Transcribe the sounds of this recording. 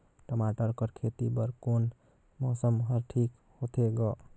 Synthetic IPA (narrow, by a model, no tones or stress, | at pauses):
ʈəmaʈəɾkəɾkʰet̪ibəɾkon | mɔsəmɦəɾʈʰik | hot̪ʰeɡɔ